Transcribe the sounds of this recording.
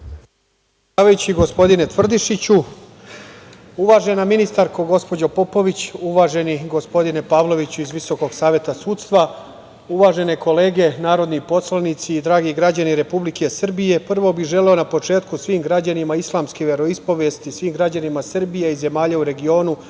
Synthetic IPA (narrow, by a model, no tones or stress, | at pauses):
aːʋajut͡ɕiɡo̞spo̞d̪ine̞t̪ʋr̩d̪iʃit͡ɕu | uʋaːʒe̞naminist̪aɾko̞ɡo̞spo̞d͡ʑopo̞po̞ʋit͡ɕuʋaːʒe̞niɡo̞spo̞d̪ine̞paːʋlˠo̞ʋit͡ɕuizʋiso̞ko̞ɡsaːʋje̞t̪asuːt̪st̪ʋa | uʋaːʒe̞ne̞ko̞le̞ːɡe̞naːɾo̞d̪nipo̞slˠanit̪siːd̪ɾaːɡiɡɾad͡ʑaniɾe̞publikʰe̞sr̩bije̞pr̩ʋo̞biʒe̞le̞o̞napo̞t͡ʃe̞ːt̪kusʋiːmɡɾad͡ʑanimaislˠaːmskeʋe̞ɾo̞ispo̞ʋeːst̪isʋiːmɡɾad͡ʑanimasrbijeize̞maːʎauɾe̞ɡio̞ːnu